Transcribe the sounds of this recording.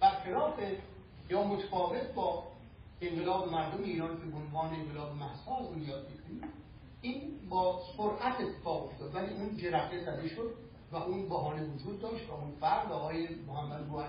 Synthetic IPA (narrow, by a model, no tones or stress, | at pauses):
b̥æɾxelɒːfe | jɒːmot̪ʰæ̥fɒːve̞t̪̚ʰbɒː | eŋɢelɒːbemæɾd̪omeiːɾɒːnkʰʲebeonvɒːneeŋɡelɒːbemæhsɒːlunjɒːd̪̚mikʰoniː | iːnbɒːsoɾʔæt̪ʰe̞t̪ʰːefɒːɣo̞ft̪ɒːd̪væliːʔund͡ʒeɾæxt̪esæd̪eʃod̪ | væʔunbæɦɒːnevod͡ʒuːd̪ːɒːʃt̪væunfæɾdvæːɣɒːjemohæmːæd̪buːæ